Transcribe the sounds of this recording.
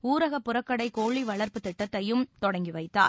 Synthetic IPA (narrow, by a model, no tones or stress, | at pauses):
uːɾɐɣɐpːʊɾɐkːɐɽɐɪkoːɭiʋɐɭɐɾpɯt̪ɪʈːɐt̪ːɐjɯmt̪ɔɽɐŋɡiʋɐɪt̪ːa̰ː